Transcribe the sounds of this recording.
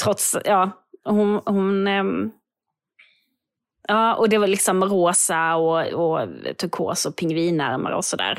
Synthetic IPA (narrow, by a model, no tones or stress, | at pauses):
t̪ʰɾɔt̪sjɑː | hʊnhʊn | jɑːʔɔd̪ɛvalɪksɔmɾoːsaɔɔt̪ʰɵɾkʰo̰ːsɔpʰɪŋːviːnæ̰ɾma̰ɾɔ̰sɔd̪æ̰ːɾ